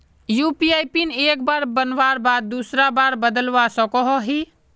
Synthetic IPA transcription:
juːpiaːjpineːk̚baːɾbənʋaːɾbaːd̪̚ːuːsɾabaːɾbəd̪əlʋasɔkɔɦɔɦi

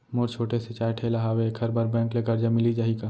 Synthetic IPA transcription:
moːɾt͡ʃʰoːʈeset͡ʃaːjʈʰeːlaɦaːwekʰhɐɾbaɾbɛ̃ːŋkleːkɐɾd͡ʒamɪlid͡ʒaːɦikaː

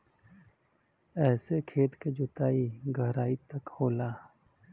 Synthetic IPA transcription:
ɛːsekʰeːt̪ked͡ʒʊt̪aːiɡʱəɦɾaːit̪ɐkhoːlaː

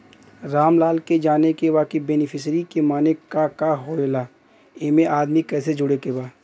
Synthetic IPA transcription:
ɾaːmlaːlked͡ʒaːnekeʋaːkebeːnɪpʰɪsɾikemaːnekakaɦoeːlaː | eːmẽʔaːd̪mikɛːsed͡ʒʊɽekebaː

